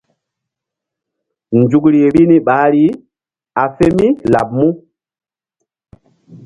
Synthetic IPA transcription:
nd͡ʒu˨k̬ɾi˨ɾi˦ni˦ɓa˨˦ɾi˦ | a˨fe˦mi˦la˨b̚mu˦

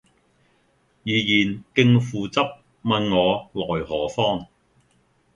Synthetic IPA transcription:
jiː˨˧jiː˨˩nkɪ˧ŋfuː˨t͡sɐ˥p̚ | mɐ˧nŋɔː˨˧lɔː˨˩jhɔː˨˩fɔː˥ŋ

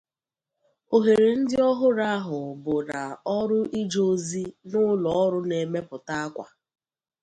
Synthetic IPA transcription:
o˨ɦe˨ɾe˨n̩˦dɪ˦ɔ˦ɦʊ˦ɾa˦a˦ɦʊ˨bʊ˨na˨ɔ˦ɾʊ˦ʔi˦d͡ʒo˦zi˦nʊ˦lɔ˨ɔ˦ɾʊ˦ne˨me˦pʊ˨ta˦a˦kʷa̰˨

